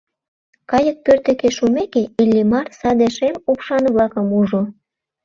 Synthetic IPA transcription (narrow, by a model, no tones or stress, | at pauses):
kɑjək̚pørt̪ĕkeʃumekeelʲːimɑrsɑd̪eʃemupʃɑnβlɑkəmuʒo